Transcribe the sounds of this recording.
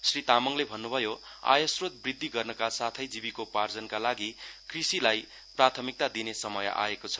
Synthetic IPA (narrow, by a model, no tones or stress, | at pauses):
srit̪amʌŋlebʱʌnːubʱʌjo | a̰jʌsrot̪̚brid̪ːiɡʌrnʌkasat̪ʰʌjd͡zibikopard͡zʌnkalaɡikrisilaj | prat̪ʰʌmik̚t̪ad̪inesʌmʌja̰ekot͡sʰʌ̥